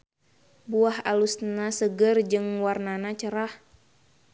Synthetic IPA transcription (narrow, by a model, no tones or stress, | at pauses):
buahalusnasəɡərd͡ʒɨŋwarnanat͡ʃəɾah